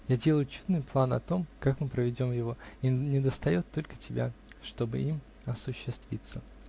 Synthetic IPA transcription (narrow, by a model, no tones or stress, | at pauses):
jadʲe̞lˠəjʊt͡ɕud̪nɨjplˠanɐ̰t̪o̞mkakmɨpɾəvʲɪdʲo̞mjɪvo̞nʲɪd̪əst̪ɐjo̞t̪ːo̞lʲkə̥tʲɪbʲa̰ʂt̪o̞bɨ̰im | ɐsʊɕːɪst̪vʲḭt̪sə